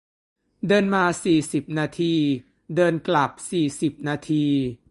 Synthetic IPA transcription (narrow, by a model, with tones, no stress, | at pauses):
dɤː˧nmaː˧siː˨˩si˨˩p̚naː˧t̪ʰiː˧ | dɤː˧nkla˨˩p̚siː˨˩si˨˩p̚naː˧t̪ʰiː˧